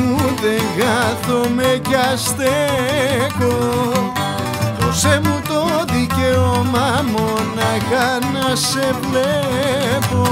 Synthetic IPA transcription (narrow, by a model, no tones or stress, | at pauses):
uðeŋɡaθomekast̪e | ko | osemũt̪oðikeomamonaɣanas | eple | po